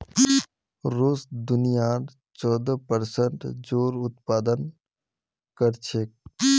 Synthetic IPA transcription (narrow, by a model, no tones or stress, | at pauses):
ɾoːsd̪ʊnijaɾ | t͡ʃɔːd̪əpəɾsəɳʈd͡ʒoːɾʊt̪paːd̪ən | kəɾt͡ʃʰe